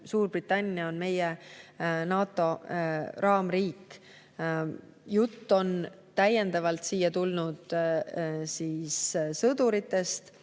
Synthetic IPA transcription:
suːrb̥rit̪ːˑɑnʲːiɑonme̞je | nɑːt̪ːˑo̞ɾɑːmriːk | jut̪ːo̞n | t̪æje̞nd̪ɑvɑlt̪siːjːɑt̪ulnud̪̥ | siːssɤd̪uɾit̪ːe̞st̪

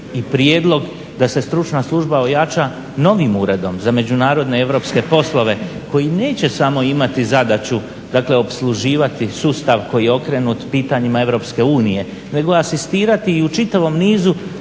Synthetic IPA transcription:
ipɾje̞ːd̪lˠo̞ɡ | d̪ase̞st̪ɾut͡ʃnaslˠuʒbao̞jat͡ʃa | no̞ʋimuːɾe̞d̪o̞mzame̞d͡ʑunaːɾo̞d̪ne̞e̞ʋɾo̞pske̞po̞slˠo̞ʋe̞ko̞jineːt͡ɕe̞samo̞imat̪izad̪at͡ɕu | d̪aːkle̞o̞pslˠuʒiːʋat̪isuːst̪aʋko̞jijeo̞kɾe̞nut̪piːt̪aɲimae̞ʋɾo̞ːpske̞uːnije̞ | ne̞ɡo̞asist̪iːɾat̪iːut͡ʃit̪aʋo̞mniːzu

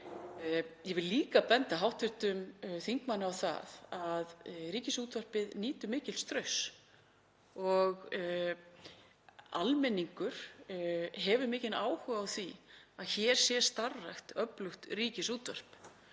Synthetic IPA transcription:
jɛvɪlliːkapɛnt̪aɦawht̪vɪɾ̥t̪ʏmθiŋkmanːɪawθa̰ðaðɾiːcɪsuːt̪vœr̥pɪðniːt̪ʏmɪːcɪlst̪ɾœɥs | ɔɣ | a̰lmɛnːiŋkʏɾ̥ | ɦɛvʏɾmɪːcɪnaːwhʏɣawθviaðçɛɾ̥sjɛ̥st̪arːajxt̪œplʏxt̪riːcɪsuːt̪vœr̥p

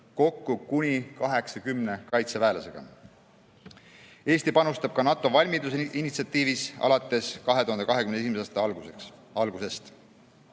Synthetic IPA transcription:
ko̞kːukunʲikɑɦeksɑkymne̞kɑjt̪sevæːlɑse̞ɡ̥ɑ̰ | e̞ːst̪ipɑnust̪ɑb̥̚kɑnɑt̪ːˑo̞vɑlʲmit̪useinit̪siɑt̪ːˑiːvisɑ̰lɑt̪ːˑe̞skɑɦet̪uhɑnkɑɦekymnesimeɑːst̪ɑlɡuekɑlɡ̥use̞st̪

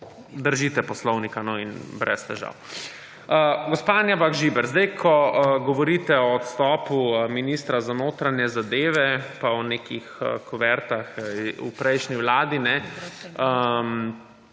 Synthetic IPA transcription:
d̪əɾʒit̪ɛpɔslɔwnikanɔinbɾʔɛ̰st̪ɛʒa̰w | əɡɔspanjabaɡʒibɛɾzd̪ajkʰɔɡɔʋɔɾit̪ɛɔːt̪st̪ɔːpuminiːst̪ɾazanoːt̪ɾanjɛzad̪eːʋɛpaɔneːkixkɔʋɛɾt̪axṵpɾɛjʃniʋlaːd̪inɛ | əm

